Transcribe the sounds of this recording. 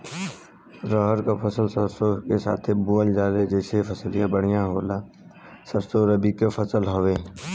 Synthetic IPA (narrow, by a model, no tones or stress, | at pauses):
ɾəɦəɾkapʰəsəlsəɾsokesa̰ːt̪ʰebuːəld͡ʒaːled͡ʒɛːsefʰəsəlijãbəɽ̤ijãɦoːla | səɾsoɾəbikefʰəsəlɦoʋeː